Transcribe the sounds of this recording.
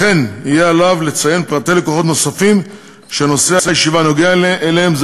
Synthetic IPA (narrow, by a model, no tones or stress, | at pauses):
e̞nijealavle̞t͡saje̞npʁat̪ele̞ko̞χo̞t̪no̞safim | ʃeano̞seasejeʃivano̞ɡeaelehemz